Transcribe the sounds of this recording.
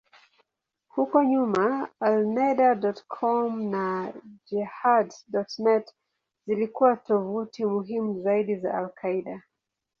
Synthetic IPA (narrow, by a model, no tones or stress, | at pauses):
hukɔɲumaalnɛɗadɔtkʰɔmnad͡ʒɛhaddɔtnɛt | z̥ilikuwatɔvutʰimuɦimuzaiɗiza̰alkʰaiɗa